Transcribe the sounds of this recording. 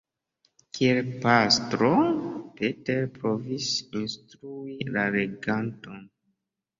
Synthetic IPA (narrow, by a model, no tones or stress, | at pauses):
kʰie̞lpastɾopeteɾpɾo̞visinstɾuilaɾeɡanto̞n